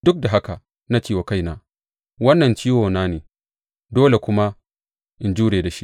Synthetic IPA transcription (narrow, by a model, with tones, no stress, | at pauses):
dʊ˦k̚da˨ɦa˦ka˨ | na˦t͡ʃiː˦˨wa˨ka˦˨jnaː˦ | wɐ˦nːɐ˨nt͡ʃiː˦woː˨naː˦neː˨ | doː˦le˨kʷʊ˦ma˦ | ʔɪ˨nd͡ʒuː˦ɽeː˨da˨ʃi˦ʔ